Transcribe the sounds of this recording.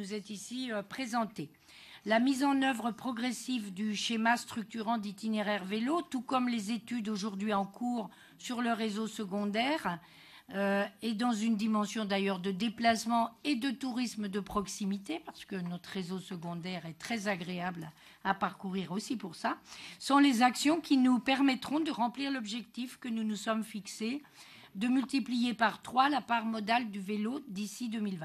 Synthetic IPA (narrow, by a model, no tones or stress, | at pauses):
nuzɛt̪isiøpχezɑ̃t̪e | lamizɑ̃nœvʁəpχɔɡʁesivd̪yʃemast̪χyk̚t̪yʁɑ̃d̪it̪ineʁɛʁvelot̪ukɔmlezet̪yd̪oʒuʁd̪ɥiɑ̃kʰuʁ | syʁləʁezosəɡɔ̃d̪ɛːʁ | øɛd̪ɑ̃zynd̪imɑ̃sjɔ̃d̪ajœʁd̪əd̪eplasmɑ̃ed̪ət̪uʁisməd̪əpχɔksimit̪epaʁsə̥kənɔt̪χʁezosəɡɔ̃d̪ɛʁɛt̪χɛzaɡʁeabl | apaʁkuʁiʁosipuʁsasɔ̃lezaksjɔ̃kʲinupɛʁmɛt̪χɔ̃d̪əʁɑ̃pliʁlɔbʒɛkt̪ifkənunusɔmfikse | d̪əmylt̪iplijepaʁt̪χwalapaʁmɔd̪ald̪yvelod̪isid̪ømilvɛ̃